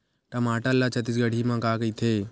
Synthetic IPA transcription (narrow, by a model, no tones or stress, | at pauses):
ʈəmaːʈəlːaːt͡ʃət̪ɪsɡəɽ̤ʱiːmãːkaːkəiːt̪ʰeː